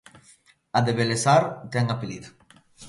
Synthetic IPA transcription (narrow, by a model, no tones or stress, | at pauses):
aðeβelesaɾt̪ɛŋapilit̪